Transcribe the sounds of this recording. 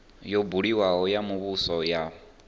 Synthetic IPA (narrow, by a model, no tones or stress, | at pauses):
jɔbuɺiwaɦɔjamuβusɔjaːɦɔ